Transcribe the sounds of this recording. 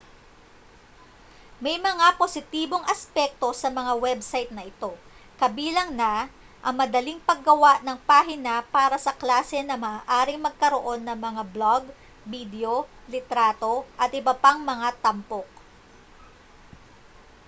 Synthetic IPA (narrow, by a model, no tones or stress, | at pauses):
mɐjmɐŋapo̞sɪt̪iːbo̞ŋʔɐspɛk̚t̪o̞sɐmɐŋawɛbsajt̪̚nɐʔɪt̪o̞ | kɐbiːlɐŋnɐ | ʔɐŋmɐd̪ɐliŋpɐɡ̚ːɐwaʔnɐŋpaːɦɪnɐpaːɾɐsɐklaːsɛnɐmɐaːʔaːɾɪŋmɐɡ̚kɐɾo̞ʔo̞nːɐŋmɐŋabloɡ | bid̪ɛolɪt̪ɾaːt̪o̞ʔɐt̪ʔɪbɐpaŋmɐŋat̪ɐmpo̞k̚